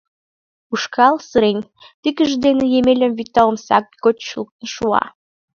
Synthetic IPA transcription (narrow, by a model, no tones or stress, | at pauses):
uʃkɑlsəɾenʲ | t̪ikəʒd̪enĕjemelʲə̆mvit̪ɑəmsɑ̰k̚ɡot͡ɕʃṵt̪nʃuɑ̰